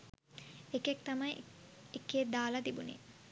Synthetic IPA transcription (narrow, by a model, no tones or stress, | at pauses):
ekekt̪amɐjekːeːd̪aːlɐt̪ibunḛ